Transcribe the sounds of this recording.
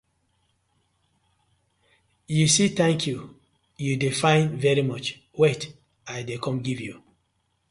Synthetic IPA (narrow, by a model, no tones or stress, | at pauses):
jusitɛ̃ŋkʰju | judefãɪ̃nvɛɹimɔt͡ʃ | wɛt | aɪdekʰɔ̃mɡivju